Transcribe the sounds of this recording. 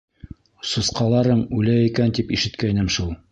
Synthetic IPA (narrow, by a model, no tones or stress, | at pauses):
sŏsqɑlˠɑɾɤɴʉlæjikænt̪ipiʃɘ̆t̪kæinɘmʃulˠ